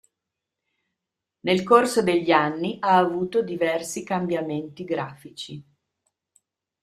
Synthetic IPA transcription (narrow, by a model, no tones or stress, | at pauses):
nelkorsod̪eʎːanːiʔaːvuːt̪od̪ivɛrsikambjament̪iɡɾaːfit͡ʃi